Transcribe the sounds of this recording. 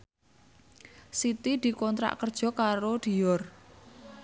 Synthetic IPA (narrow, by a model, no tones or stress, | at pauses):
sit̪id̪̥i̤kɔnt̪ɾa̰ʔkərd̥ʒ̥ɔ̤kaɾod̪̥i̤ɔr